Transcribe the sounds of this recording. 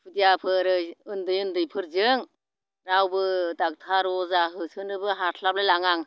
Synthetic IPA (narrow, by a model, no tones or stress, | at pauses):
pʰɯdijapʰɯɾɯɯndɯjɯndɯjpʰɯɾzɯŋ | ɾawbɯdak̚tʰaɾɔzaɦɯsɯnɯbɯɦaɾtʰlap̚lajlaŋaŋ